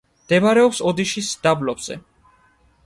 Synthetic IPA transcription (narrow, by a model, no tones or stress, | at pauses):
md̪̥ɛmaɾɛɔpsɔd̪iʃisd̪̥ablɔbz̥ɛ̰